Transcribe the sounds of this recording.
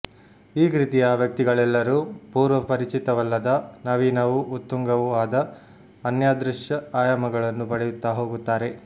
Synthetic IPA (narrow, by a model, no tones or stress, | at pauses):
iːkɾit̪ijaʋjɐk̚t̪iɡɐɭɛlːɐɾuːpuːɾʋɐpɐɾit͡ʃit̪ɐʋɐlːɐd̪ɐnɐʋiːnɐʋuːt̪ːuŋɡɐʋuaːd̪ɐ | ɐnjaːd̪ɾuʂjɐaːjɐmɐɡɐɭɐnːubɐɽɛjut̪ːaːɦo̞ːɡut̪ːaːɾe̞